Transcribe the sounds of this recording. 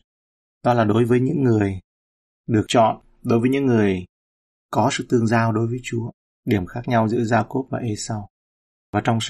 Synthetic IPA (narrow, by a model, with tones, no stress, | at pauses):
ɗɔ˨˧laː˨˩ɗo˨˦jvəː˨˦jɲɨ̰˧˥ŋːɨ˨˩əj | ɗɨ˨˩ək̚t͡ɕɔ̰˧˨n | ɗo˨˦jvəː˨˦ɲɨ̰˧˥ŋːɨ˨˩əj | kɔ˨˦sɨ̰˧˨t̪ɨ˧əŋzaː˧wɗo˨˦jvəː˨˦jt͡ɕu˨˦ə | ɗi˧˩əmxaː˦˥k̚ɲa˧wzɨ̰˧˥zaː˧ko˦˥p̚vaː˨˩ʔe˧sa˧w | vaː˨˩t͡ɕɔ˧wŋ͡ms